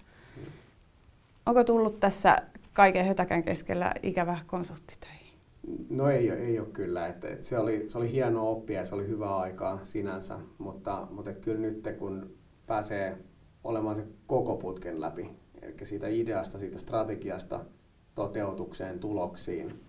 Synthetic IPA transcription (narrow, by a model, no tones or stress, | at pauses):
ʔoŋkot̪ulːut̪t̪æsːæ̰kɑikehøt̪ækæŋkḛskḛlːæ̰ikæʋækonsult̪ːi̥t̪ø̥i̥hi̥ | noeioeioːkkylːæet̪ḛt̪seolisolihiɛnoːopːiɑjɑseolihyʋæːɑikɑːsinænsæ̰mut̪ːɑmut̪et̪kylnyt̪ːekun | pæːseː | o̰lemɑːnsekokoput̪kenlæ̰piḛlḭkːæsiːt̪æideɑst̪ɑsiːt̪æst̪rɑt̪eɡiɑst̪ɑ̰ | t̪ot̪eut̪ukseːnt̪uloksḭːn